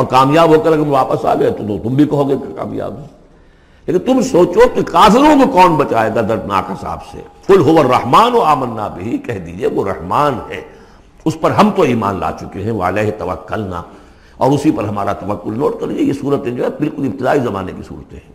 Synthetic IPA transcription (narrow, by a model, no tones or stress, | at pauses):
ɔːɾkaːmjaːbɦoːkɐɾɐɡɐʋaːpəsa̰ːɡɐet̪ot̪ot̪ʊmbʱikɐɦoːɡekaka̰ːmja̰ːbɛ̃ | leːkɪnt̪ʊmsoːt͡ʃokekaːfɪɾõkokɔːnbɐt͡ʃaːeːɡad̪ɐɾd̪na̰ːkɦɐsa̰ːbsḛkʊlɦʊʋəɾːɐhmaːnoaːmənːabʱiɦikɛɦd̪id͡ʒieʋoɾɐhmaːnɦɛ̰ː | ʊspɐɾɦɐmt̪oiːma̰ːnla̰ːt͡ʃʊkeɦɛ̃ʋoəleːɦt̪ɐʋɐ̰kːʊlna̰ | ɔːɾʊsipɐɾɦɐmaːɾat̪ɐʋəkːʊlnoːʈkɐɾid͡ʒiejesuːɾət̪ẽd͡ʒoːɦɛ̃bɪlkʊlɪbt̪ɪd̪aːizɐmaːnekisṵːɾət̪eɦɛ̃ː